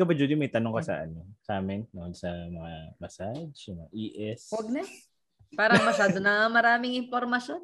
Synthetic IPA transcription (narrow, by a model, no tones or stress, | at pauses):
kɐbɐd͡ʒod̪ɪmɐjt̪ɐnoŋkɐsɐ̰ʔɐ̰nosaːmɪnd̪uŋholsɐmɐŋamɐsad͡ʒɐmɐaʔiːʔɛswɐɡ̚nɐ | paːɾɐŋmɐʃaːd̪onɐmɐɾaːmɪŋʔɪnpoɾmɐʃon